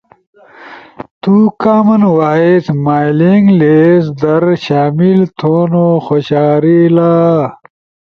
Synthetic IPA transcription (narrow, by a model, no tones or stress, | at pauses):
t̪ukaːmɐnwaːit̪maːjliŋɡlesd̪ɐɾɕaːmilt̪ʰoːnoxoɕaːɾilaː